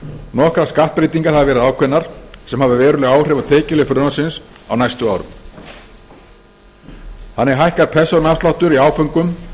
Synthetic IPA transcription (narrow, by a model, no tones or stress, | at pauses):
nɔhkɾaskaht̪pɾeːt̪iŋkaɾhavavɛːɾɪðaːwkʰvɛnːaɾ̥sɛmhavðɪvɛːɾʏlɛːɣaːwr̥ɛːvat̪ʰeːcɪlɪfɾʏnasɪns | a̰wnajst̪ʏaːwɾʏ̰m | hanːɛɾɦajhkaɾ̥pʰɛsɔnast̪lawht̪ʏɾiaːwfœŋkʏm